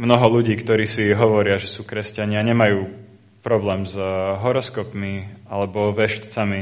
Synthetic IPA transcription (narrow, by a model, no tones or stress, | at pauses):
mnɔɦɔluɟiːkt̪ɔɾiːsiɦɔʋɔɾɪaʒɛsuːkɾɛscaɲɪaɲɛmajuː | pɾɔblɛːmzɦɔɾɔskɔpmialɛbɔʋɛʃt̪t͡sami